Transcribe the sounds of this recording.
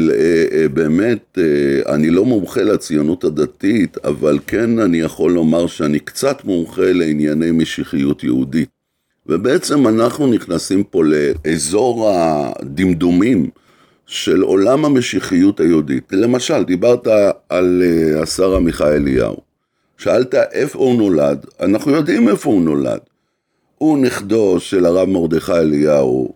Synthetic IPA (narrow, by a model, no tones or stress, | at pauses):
lebe̞ːme̞tea̰nilo̞mumχelat͡sijonuthad̪atita̰valke̞nanijaχo̞lːo̞maʁʃeanikt͡satmumχe̞le̞injanejmeʃiχijutjeudit̚ | vebe̞et͡se̞manaχnuniχnasimpo̞le̞ːzo̞ʁa̰d̪imd̪umim | ʃe̞lo̞̰lamame̞ʃiχijuthajeuditle̞maʃald̪ibaʁtaːleasaʁamiχaelija̰ṵ | ʃaaltaʔe̞founo̞lad̪a̰naχnujo̞d̪ime̞founo̞la̰d | uniχdo̞ʃe̞laʁavmo̞ʁd̪eχajeljaṵ